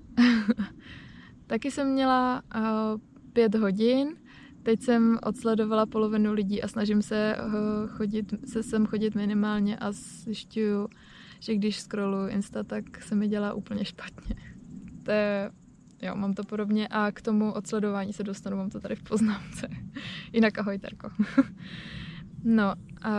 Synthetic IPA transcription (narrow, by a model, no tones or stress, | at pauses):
t̪akɪsɛmːɲɛla | pjɛt̪ɦo̞ɟɪn | t̪ɛcsɛmʔo̞̰t̪slɛdo̞valapo̞lo̞vɪnulɪɟiːʔasnaʒɪmsɛ | xoɟɪt̪sɛsɛmxo̞ɟɪt̪mɪnɪmaːlɲɛʔaz | zɪʃcuju | ʒ̥ɛɡdɪʃskɾolujʔɪ̰nst̪at̪aksɛmɪɟɛlaːʔṵːpl̩ɲɛʃpḁt̪ɲɛt̪ojɛ | jo̰mamt̪o̞po̞do̞bɲɛʔakt̪o̞muʔo̞t̪slɛdo̞vaːɲiːsɛdo̞st̪anumaːmt̪ot̪adɪfpo̞znaːmt͡sɛjɪnakʔaɦo̞jt̪ɛ̰ɾko | no̞ | ʔa